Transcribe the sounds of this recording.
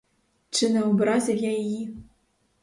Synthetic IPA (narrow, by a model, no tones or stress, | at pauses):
t͡ʂɨnɛwbɾazʲɐwjaji